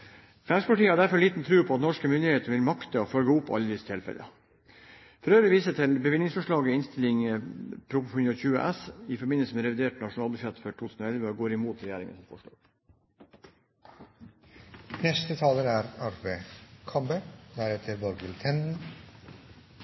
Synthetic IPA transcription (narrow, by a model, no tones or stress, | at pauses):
fæmspʰɑʈiːəhɑɖæɾfɔɭiːt̪n̩t̪ʰɾʉːpʰɔɑt̪nɔʂkəmʏnd̪ɪheːt̪əɾʋɪlmɑkt̪əɔfœlɡəʊpːɑ̰ʎːəd̪ɪsət̪ʰɪlfɛ̰lə̰ | fɔɾøːɾəʋiːsət̪ʰɪlbəʋɪnɪŋsfɔʂɭɑːɡəɪnst̪ɪlɪŋpʰɾʊphʉnɔçʉːə̰ʔɛsɪfɔɾbɪnəl̩səmɛɾɛʋɪd̪eːʈnɑʂʊnɑːlbʉʂɛt̪ːfœʈʰuːt̪ʰʉːsn̩oːɛlʋəɔɡoːɾɪmuːt̪ɾɛjæːɾɪ̰ŋə̰sɔmfɔʂɭɑ̰ːɡ | nɛst̪ət̪ʰɑːləɾæɾɑɾʋəkʰɑmbəd̪æɾɛt̪ʰəɾbɔɾɡəlt̪ʰɛnn̩